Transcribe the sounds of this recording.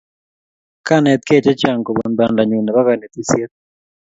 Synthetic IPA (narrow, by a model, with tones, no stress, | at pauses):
ka˦˨ne˨t̪ke˦t͡ʃe˦t͡ʃa˨ŋko˨βa˨nda˨nda˨ɲu˨na˨βa˦ka˨ne˨t̪i˨sje˦t